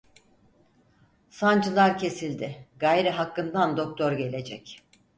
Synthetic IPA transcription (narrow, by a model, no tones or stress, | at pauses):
sand͡ʒɯlˠaɾcʰe̞silʲd̪ɪɡaːjɾɛɦakːɯnd̪and̪o̞k̚t̪ʰo̞ɾɟe̞lʲe̞d͡ʒɛc